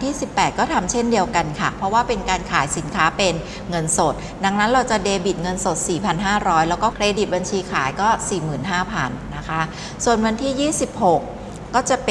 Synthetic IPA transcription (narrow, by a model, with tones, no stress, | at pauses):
t̪ʰiː˥˩si˨˩pːɛː˨˩t̪̚kɔː˥˩t̪ʰa˧mt͡ɕʰe˥˩ndi˧əwka˧nkʰa˥˩pʰɾɔ˦˥waː˥˩pe˧nkaː˧nkʰaː˩˦jsi˩˦nkʰaː˦˥pe˧n | ŋɤ˧nso˨˩t̪̚ | da˧˥ŋna˦˥nɾa˧wt͡ɕa˨˩deː˧bi˨˩t̪̚ŋɤ˧nso˨˩t̪̚siː˨˩pʰa˧nɦaː˥˩ɾɔː˦˥jlɛː˦˥wkɔː˥˩kʰɾeː˧di˨˩t̪̚ba˧nt͡ɕʰiː˧kʰaː˩˦jkɔː˥˩siː˨˩mɯː˨˩nɦaː˥˩pʰa˧nːa˦˥kʰa˦˥ | su˨˩ənmɯ˧nt̪ʰiː˥˩jiː˥˩si˨˩p̚ho˨˩kː | ɔː˥˩t͡ɕa˨˩p